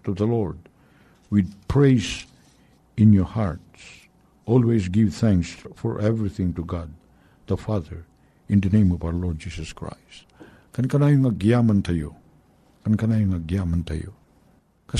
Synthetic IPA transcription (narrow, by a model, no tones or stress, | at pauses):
t̪uðəlɔɹd | wid̚pʰɹeɪs | ɪ̃njɔɹhaɹts | ɔlˠwesɡɪvθæ̃ŋksfɔɹʔɛvɹiθɪ̃ŋtuɡad̪̚ | ðəfaðəɹ | ɪ̃nðənẽɪ̃mɔvawəlɔɹd̚d͡ʒisəskʰɹa̰ɪst | kankanajuŋaɡiamant̪ʰajo | kankanajuŋaɡiamãnt̪a̰jo̰ | ka